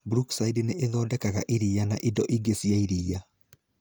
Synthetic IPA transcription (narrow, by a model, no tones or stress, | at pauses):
bɾuksaidneʔeðɔːdɛkaɣaʔiɾijanaʔidɔʔiɡesiaiɾiːa